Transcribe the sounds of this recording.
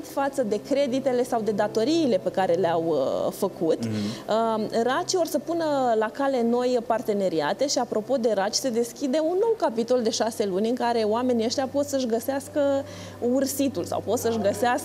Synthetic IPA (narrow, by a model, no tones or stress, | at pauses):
t̪ʲfat̪səd̪e̞kɾe̞d̪it̪e̞le̞sawd̪e̞d̪at̪o̞ɾiːle̞pe̞kaɾe̞leawfəkut̪ | ɾat͡ʃio̞rsəpunəlakale̞no̞jpart̪e̞ne̞ɾiat̪e̞ʃiapɾo̞po̞d̪e̞ɾat͡ʃʲse̞d̪e̞skʲid̪e̞unːo̞wkapit̪o̞ld̪e̞ʃase̞lunʲɨŋkaɾe̞oame̞niəʃt̪japo̞t̪səʃɡəseaskə | ursit̪ulsa̰wpo̞t̪səʃɡəseas